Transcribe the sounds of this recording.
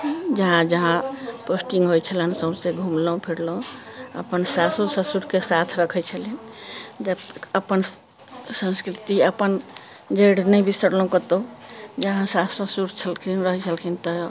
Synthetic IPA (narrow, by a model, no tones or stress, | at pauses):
d͡ʒəɦãd͡ʒəɦãposʈĩŋɡɦojt͡ʃʰələnsəbseɡʱumləũpʰiɽlə̃ə̰pənsasosəsuɾkesat̪ʰɾəkʰɛt͡ʃʰəlind͡ʒəbt̪əkəpən | sə̃nskɾit̪iəpən | d͡ʒəɽnəjbisəɽloũkət̪od͡ʒəɦãsasəsuɾt͡ʃʰəlkʰinɾəɦt͡ʃʰəlkʰint̪ə